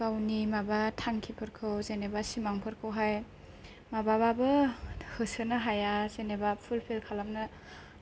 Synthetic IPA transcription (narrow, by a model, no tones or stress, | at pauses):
kawnimabatʰaŋkʰipʰɯɾkʰɯwzenebasimaŋpʰɯɾkʰɯwɦaj | mabababɯhɯsɯnɯɦajazenebapʰulpʰelkʰalamnɯ